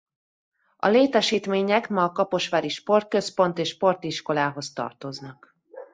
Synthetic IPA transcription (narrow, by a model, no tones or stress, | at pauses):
ɒ̰leːt̪ɛʃiːt̪meːɲɛkmɒːkɒpo̞ʃʋaːɾiʃpo̞rt̪̚kø̞spo̞nt̪eːʃpo̞rt̪iʃko̞laːɦo̞st̪ɒ̰rt̪o̞znɒk